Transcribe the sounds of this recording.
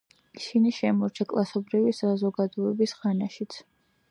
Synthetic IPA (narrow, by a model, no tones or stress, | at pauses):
isiniʃɛmɔɾt͡ʃʰakʼlˠasɔbɾivisazɔɡad̪ɔɛbisʁanaʃit̪sʰ